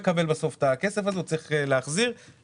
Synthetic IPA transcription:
kabe̞lbaso̞ft̪akesefazet͡sʁiχeleaχziʁ

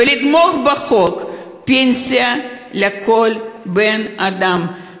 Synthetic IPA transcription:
elit̪moxbexok | pensija | lekolbenad̪am

